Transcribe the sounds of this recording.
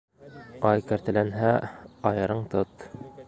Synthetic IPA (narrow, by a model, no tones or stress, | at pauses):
ɑjkæ̆ɾt̪ɘ̆lænɦæɑjɤ̆ɾɤɴt̪ot̪